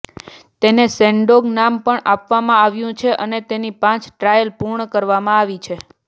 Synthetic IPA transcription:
t̪enesɛ̃ɳɖoɡnampəɳapʋamãaʋjũt͡ʃʰeʔənet̪enipãt͡ʃʈɾajəlpuɾɳəkəɾʋamãaʋit͡ʃʰe

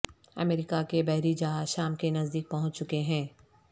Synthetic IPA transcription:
ɐ̰meːɾɪkakebɛɦɾid͡ʒɐɦaːzʃaːmkenɐzd̪iːk̚pɐɦʊ̃t͡ʃt͡ʃʊkeɦɛ̃ː

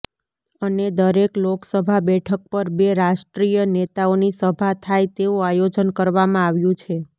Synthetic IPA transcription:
əned̪əɾekloksəbʱabɛʈʰək̚pəɾbeɾaʃʈɾijənet̪aonisəbʱat̪ʰajt̪euajod͡ʒənkəɾʋamãaʋjũt͡ʃʰe

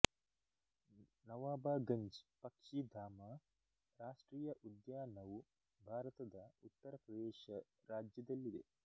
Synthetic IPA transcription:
nɐʋaːbaːɡɐɲd͡ʒpɐkʂid̪ʱaːma | ɾaːʂʈɾiːjɐʔud̪jaːnɐw | bʱaːɾɐt̪ɐd̪ɐut̪ːɐɾɐpɾɐd̪eːʃɐ | ɾaːd͡ʒjɐd̪ɐlːid̪e

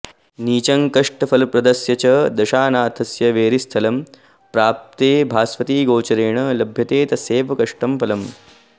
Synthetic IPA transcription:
niːt͡ʃɐŋkɐʂʈɐfʰɐlpɾɐd̪ɐsjɐt͡ʃɐd̪ɐʃaːnaːt̪ʰɐsjɐʋeːɾist̪ʰɐlɐm | pɾaːp̚t̪eːbʱaːsʋɐt̪iːɡoːt͡ʃɐɾeːɳɐlɐbʱjɐt̪eːt̪ɐseːʋɐkɐʂʈɐmpɐlɐm

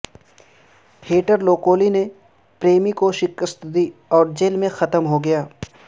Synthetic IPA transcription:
heːʈəɾloːkoːline | pɾeːmikoʃɪkəst̪d̪iːɔːɾd͡ʒeːlmẽxɐt̪əmɦoɡɐjaː

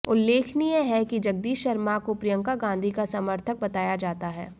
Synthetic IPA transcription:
ʊlːeːkʰnijeɦɛkid͡ʒɐɡ̚d̪iːʃʃɐɾmakopɾijə̃ŋkaɡãːn̆d̪ʱikasaməɾt̪ʰək̚bɐt̪aːjad͡ʒaːt̪aɦɛ̰ː

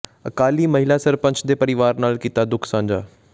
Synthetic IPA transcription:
əkaːliːməɦɪlaːsəɾpə̃ɲt͡ʃʰd̪eːpəɾɪʋaːɾnaːlkiːt̪aːd̪ʊkʰsãːɲd͡ʒaː

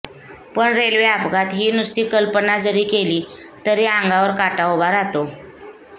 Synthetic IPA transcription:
pəɳɾelʋeapɡat̪ɦiːnust̪iːkəlpənad͡zəɾiːkeliːt̪əɾiãŋɡaʋəɾkaʈaʋbaɾat̪o

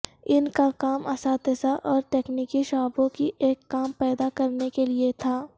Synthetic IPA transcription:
ɪnkakaːmɐsaːt̪ɪsaʔɔːɾʈeːkniːkiʃaːbõkiʔeːkːaːmpɛːd̪akɐɾnekeliet̪ʰaː

